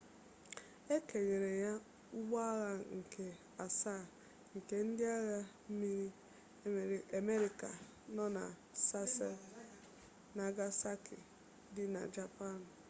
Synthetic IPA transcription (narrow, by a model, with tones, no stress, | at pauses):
e˦ke˨ɲe˨ɾe˨ja˦ | u˦ɡ͡bɔ˦a˦ɣa˦ŋ̩˨kʰe˨ | a˨sa˦˨ | ŋ̩˨ke˦n̩˦dɪ˦a˦ɣa˦m̩˦mi˦ɾi˦˨ | me˦ɾi˨ka˨ | nɔ˦na̰˨ | sa˦s | na˨ɡa˦sa˦kɪ̰˨ | dɪ˦na̰˨d͡ʒa˨pa˦˨n˨